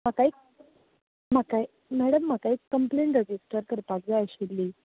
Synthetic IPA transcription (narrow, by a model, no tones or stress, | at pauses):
makaik̚ | makaj | mæɽəmːakaikːəmpleɳʈɾed͡ʑisʈəɾkəɾpakd͡zaajɕilːiː